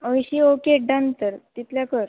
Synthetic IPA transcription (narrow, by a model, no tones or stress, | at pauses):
əʋiɕiokeɖə̃nt̪əɾt̪it̪ljakəɾ